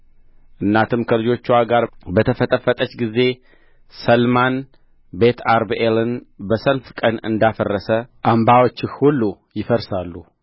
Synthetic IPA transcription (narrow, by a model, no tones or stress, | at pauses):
ʔɨnːat̪ʰɨmkʰəlɨd͡ʒo̞t͡ʃːuwaɡaɾbət̪ʰəfət̪ʼəfət̪ʼət͡ʃːɡize̞ | səlman | bet̪ʰaɾbelɨnbəsəlfkʼənɨ̰nd̪afərːəsəʔambawot͡ʃːɪxhulːujɪfəɾsalːu